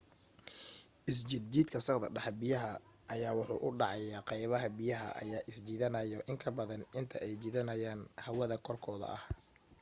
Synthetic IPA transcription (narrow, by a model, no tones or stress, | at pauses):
ʔɪs̬t͡ʃɪd̪d͡ʒiːd̪kʰɐsɑqd̪ɐ̰ɖɐħbɪjɐɦɐ | ʔɐjaːwʊħṵːʔʊɖɑʕɑjaːqɛjβɐɦɐbɪjɐɦɐ̰ʔɐ̰jaːʔɪsd͡ʒiːðɐnɐjɔʔɪŋkʰɐbɐðɐnɪnt̪ʰɐʔɛjt͡ʃiðɐnɐjaːnhɐwɐðɐkʰɔrkʰɔːðɐ̰ʔɐ̰h